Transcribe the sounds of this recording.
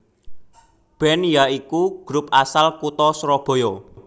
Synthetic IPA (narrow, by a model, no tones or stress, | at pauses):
b̥ɛ̤njaikuɡ̥ɾʊp̚ʔasalkut̪ɔsɾɔb̥o̤jɔ